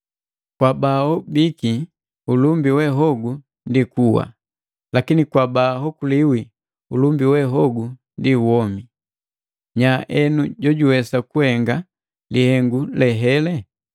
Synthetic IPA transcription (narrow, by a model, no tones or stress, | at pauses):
kwabaɔbiki | ulumbiwɛɦɔɡu | ndikuwa̰ | lakinikwabaɦɔkuliwi | ulumbiwɛɦɔɡu | ndiwɔmi | ɲaʔɛnuɟɔɟuwɛsakuhɛŋɡa | lihɛŋɡulɛɦɛlɛ